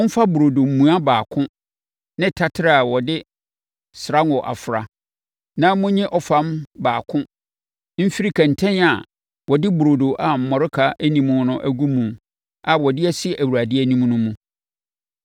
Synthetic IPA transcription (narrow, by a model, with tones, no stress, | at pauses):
ʊ˦m̩˦fa˦bʊ˨ɾo˨do˨m̩˨mũ˨a˦baː˨kʰʊ̃˦ | nɪ̃˦tʰa˦tʰɪ˦ɾa˦˨a˨wɔ˨dɪ˦ | sɾa˦nɔ˨ʔa̰˨fɾa˨ | nã˦mʊ̃˦ɲɪ̃˦ʔɔ˨fã˦mbaː˨kʰʊ̃˦ | m̩˦fi˦ɾi˦kʰã˨n̩˨tʰɛ̃˦na˨ | wɔ˨dɪ˦bu˨ɾo˨do˨ʔa˨m̩˨mɔ˨ɾɪ˦kʰa˦ʔæ˦nĩ˨mʊ̃˨˦nʊ̃˦ʔæ˦ɡu˦mũ˨ | a˨wɔ˨dɪ˦ɛ˦sɪ˦ʔæ˨wu˨ɾa˨dɪ˦æ˦nĩ˦m˦nʊ̃˦mũ˦